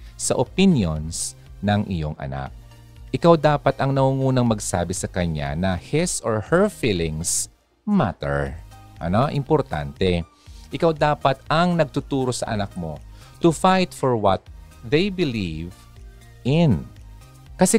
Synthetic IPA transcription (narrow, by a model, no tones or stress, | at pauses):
sɐʔopinjons | nɐŋʔɪjo̞̰ŋʔɐ̰na̰k̚ | ʔɪkawd̪aːpɐt̪ɐŋnɐŋuŋuːnɐŋmɐɡsa̰ːbɪsɐkɐɲa̰nɐhɪsoɹhɛɹfiːlɪ̃ŋs | ma̰t̪ɛɹʔɐ̰no̞ʔɪmpoɾt̪a̰nt̪ɛ | ʔɪkawd̪aːpɐt̪ɐŋnɐɡ̚t̪ʊt̪uːɾo̞sɐ̰ʔɐnak̚mo̞̰ | t̪ʊfajt̪̚foɹwɐ̰t̪̚ | ðejbɪliv | ʔɪn | kɐsɛ